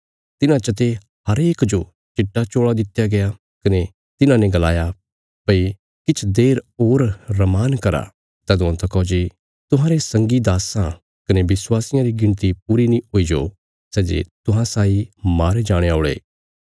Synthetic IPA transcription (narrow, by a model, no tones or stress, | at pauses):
t̪ɪnãt͡ʃɐt̪̬e | ɦɐɾeːkd͡ʒo | t͡ʃɪʈːat͡ʃoːɽad̪ɪt̪jaɡɐja | kɐne | t̪ɪnãnẽɡɐlaːja | pɐi | kɪt͡ʃʰd̪eːɾoːɾːɐmaːnkɐɾa̰ | t̪ɛd̪ʊãt̪ʰɐkɔːd͡ʒi | t̪ʊɦãːɾesɐ̃ŋɡid̪aːsã | kɐnebɪswaːsɪjãɾiɡɪ̃ɳ̃t̪ipuːɾinĩɦoːid͡ʒo̰ː | sɛːd͡ʒḛt̪ʊɦãsaːimaːɾed͡ʒaːɽ̃eaːɭḛː